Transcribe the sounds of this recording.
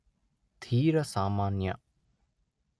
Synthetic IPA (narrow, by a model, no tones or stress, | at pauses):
t̪ʰiːɾəsaːmaːnjɐ